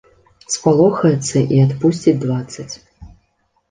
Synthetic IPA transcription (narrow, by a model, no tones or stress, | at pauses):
spalˠɔxɐjɛt̪sːɐʔiat̪pusʲt͡sʲid͡zʲd̪vat̪sːɐt͡sʲ